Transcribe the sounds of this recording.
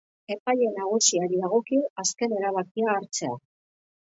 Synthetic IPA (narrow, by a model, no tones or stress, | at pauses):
e̞paʎe̞naɣ̞usiaɾiðaɣo̞kiaske̞ne̞ɾaβ̞akiaːɾt͡se̞a̰